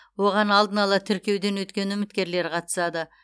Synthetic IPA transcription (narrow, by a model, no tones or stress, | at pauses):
wo̞ʁɑnɑlˠd̪ənɑlˠɑt̪ʰʏɾkʲe̞wd̪e̞nwɵt̪kʲe̞nʏmɪt̪kʲe̞ɾle̞ɾqʰɑt̪ə̥sɑd̪ə